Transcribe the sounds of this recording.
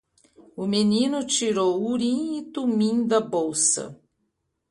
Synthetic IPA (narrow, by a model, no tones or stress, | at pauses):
ʊmenĩnʊt͡ʃiɾowuɾĩɪt̪umĩd̪ɐbowsɐ̰